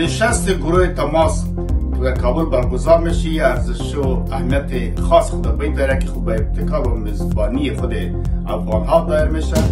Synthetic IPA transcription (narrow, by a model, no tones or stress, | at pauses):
nɪʃast̪eɡʊɾoɦet̪amɑs | dakɑbʊlbaɾɡʊzɑɾmeʃiaɾzɪʃoahmijat̪e | xɑsxʊd̪abajd̪ɑɾakixobaɪb̚t̪ɪkɑɾomɪzbɑniexʊd̪e | a̰fɣɑnɦɑd̪ɑeɾmeʃa